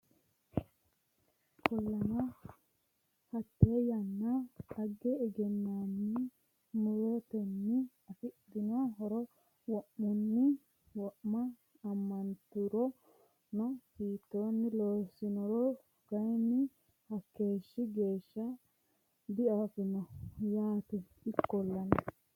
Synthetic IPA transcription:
kɔlːɐmɐ | hɐt̪ːejɐnːɐɐɡːɛɛɡɛnːanːɪ | mʊɾɔt̪ɛnːɪ | ɐfɪd̪ɪnaɦɔɾɔ | wɔʔːʊnːɪ | wɔʔmɐː | mːɐnt̪ʊɾɔ | nɔsiːt̪ːo̞ːnːɪloːsːɪnɔɾɔ | ɡ̥ɐjnːɪ | hɐkːe̞ːʃːɪɡe̞ːʃːɐ | d̪ɪɐfɪnɐjaːt̪ɛ | ɪkːɔlːɐnɐ

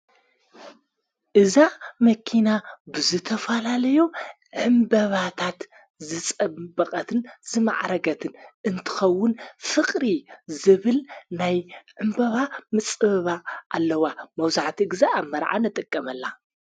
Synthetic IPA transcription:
ʔɨzamɐkʰinabɨzɨt̪ʰɐfɐlalɐjo | ʕɨmbɐβat̪ʰat̪ | zɨt͡sʼɐbbɐkʼɐt̪ʰɨnzɨma̰ʕɾɐɡɐt̪ʰɨnʔɨnt̪ʰɨ̥xɐwːʊnfɨkʼɾizɨβɨlnajʕɨmbɐβamɨt͡sʼɨβɐβaʔa̰lːɐwamɐwzaʕt̪ʰiɡɨzaaβmːɐɾʕa̰nɨt̪ʼɨkʼːɐmɐlːa

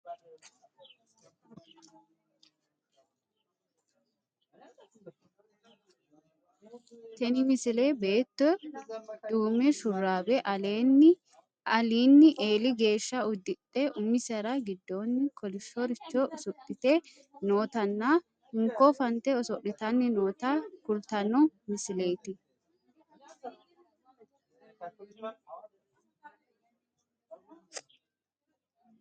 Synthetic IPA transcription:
t̪ɛnɪmɪsɪle̞ːbe̞ːt̪ːɔ | d̪uːmɛʃʊrːaːbɛʔɐleːnːɪ | ɐliːnːɪʔeːlɪɡe̞ːʃːɐʊd̪ːɪtːɛʔʊmːɪsɐɾɐɡɪd̪ːo̞ːnːɪkʰɔlɪʃːɔɾɪt͡ʃːɔɔsɔᶑɪt̪ɛ | no̞ːt̪ɐnːa | hɪŋkːɔfɐnt̪ɛɔsɔʔːɪt̪ɐnːɪno̞ːt̪akʊlt̪ɐnɔmɪsɪle̞ːt̪ɪ

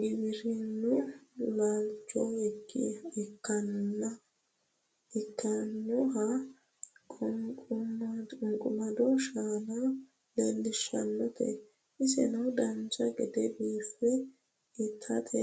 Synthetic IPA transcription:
ɡɪbɪɾɪnːʊlaːlt͡ʃːɔɛɡːɪ̰ɪkːɐnːɐ | ɪkːɐnːʊɦɐ | mʊŋkʼʊmɐd̪ɔʃaːnɐ | lelːɪʃɐ̰nːɔt̪ʰɛ̰ | ʔɪsɛ̰nɐwd̪ɐnd͡ʒɐɡɛd̪ɛbiːfːɛ | ɪt̪ʰːɐt̪ʰʼɛ

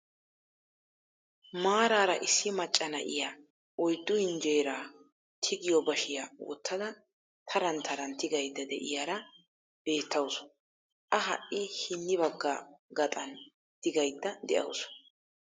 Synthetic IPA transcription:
maːɾaːɾɐʔɪsːɪmɐt͡ʃʼːɐnɐ̰ʔɪ̰jaː | ʔɔjd̪ːʊhɪnd͡ʒe̞ːɾaː | t̪ʰɪɡɪjɔbɐʃɪjawɔ̰t̪ːɐd̪ɐ | t̪ʰɐɾɐnt̪ʰɐɾɐnt̪ɪɡɐjd̪ːɐd̪ɛʔɪjaːɾɐ | b̥e̞ːt̪ːɐws | ʔɐɦɐ̰ʔːɪhɪnːɪbɐɡːaɡɐt̪ʼɐn | t̪ɪɡɐjd̪ːɐd̪ɛʔɐ̰wʊsʊ̥

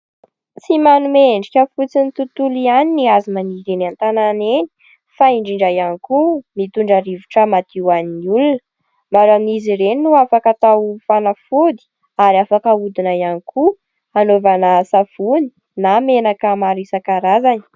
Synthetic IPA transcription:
t͡simanumeɳɖ͡ʐikʲəfut͡sinit̪ut̪ulianiniazimaniɾenant̪ananeni̥ | faiɳɖ͡ʐiɳɖ͡ʐajanikumit̪uɳɖ͡ʐaɾivuʈ͡ʂəmat̪iwaninulunə | maɾaminiziɾeninuafakat̪awfanafud̪i̥ | aɾiafakəud̪inajanikʰu | anovanasafuni | namenakəmaɾisakaɾazani̥

